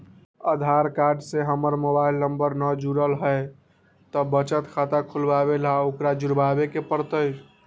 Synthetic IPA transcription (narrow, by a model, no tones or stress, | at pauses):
əd̪ʱaɾkaɾɖseɦəməɾmobailnəmbəɾnəd͡ʒuɾəlɦəj | t̪əbət͡ʃət̪kʰat̪akʰulbabelaokɾad͡ʒuɾbabekepəɾt̪əj